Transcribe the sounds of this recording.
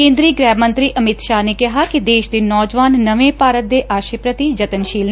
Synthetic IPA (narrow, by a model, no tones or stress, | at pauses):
kẽːnd̪ɾiːɡɾɛːʋmə̃nt̪ɾiːʔəmɪt̪ʃaːneːkɪɦaːkɪd̪eːʃd̪eːnɔːd͡ʒʋaːnːəʋẽːpaːɾət̪̚d̪eːʔaːʃeːpɾət̪id͡ʒət̪ənʃiːl